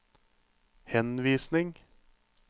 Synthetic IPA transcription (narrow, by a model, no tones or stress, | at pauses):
hɛnʋiːsnɪŋ